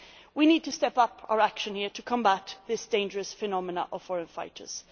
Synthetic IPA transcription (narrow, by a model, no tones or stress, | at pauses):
winid̚tʰɨstɛpʌpʰa̰ʊə˞ækʃə̃nhiɹtʰəkʰə̃mbat̪ðɪsd̥ẽɪ̃nd͡ʒəɹɨsfɨnɑmənə̰ʔəv̥fɔɹə̃nfaɪɾʰə̰˞z̥